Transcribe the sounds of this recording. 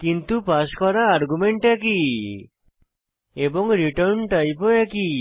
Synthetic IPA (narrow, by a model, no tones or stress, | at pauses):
kint̪upaskɔɾaːɾɡumeɳʈɛki | eboŋɾiʈɔɾnʈajpoɛki